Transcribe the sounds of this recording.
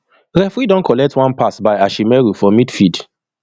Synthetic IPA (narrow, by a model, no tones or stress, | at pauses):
ɾɛfɹidɔ̃nkʰɔlɛk̚twãnpasbajaʃimɛɹufɔmitfid